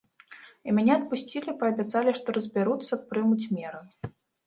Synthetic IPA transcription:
imʲanʲɛɐt̪̚pusʲt͡sʲilʲipɐɐbʲat̪salʲiʂt̪ɔɾɐzʲbʲaɾut̪sːɐt̪̚pɾɨmut͡sʲmʲɛɾɨ

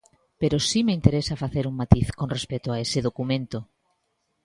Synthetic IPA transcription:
peɾosimeint̪eɾesafaθeɾuŋmat̪iθkonrespet̪oaeseð̞okumẽnt̪o

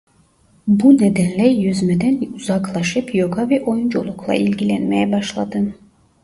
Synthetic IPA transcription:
buned̪ænlʲɛjøzmed̪ænuzɑklˠɑʃɯpjoɡʰavɛʔo̞jund͡ʒo̰lˠukʰlˠa̰ʔilʲɟilʲænmejɛbaʃlˠad̪ɯ

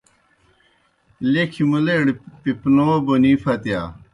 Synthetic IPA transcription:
lekʰimuleɽpipnoboniːfʰɐt̪ja̰ː

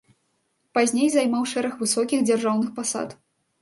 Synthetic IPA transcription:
pazʲnʲejzajmawʂɛɾɐxvɨsɔkʲixd͡zʲarʐawnɨxpasa̰t̪

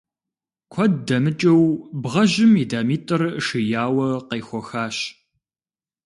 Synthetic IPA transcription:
kʷʰɔddɐmɨt͡ʃʼɐwbʁɐʑɪmidaːmiːtʼɨrʂɨjaːwɐqeːxʷɔxaːɕ

